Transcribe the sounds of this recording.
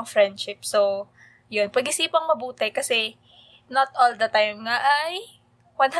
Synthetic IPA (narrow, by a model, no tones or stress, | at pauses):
ŋfɹɛnd̪ʃɪp̚so | jonpɐɡʔɪsiːpɐŋmɐbuːt̪ɛkɐsɛ | not̪̚ʔold̪ɐt̪ajmŋaʔaj | wɐnɦa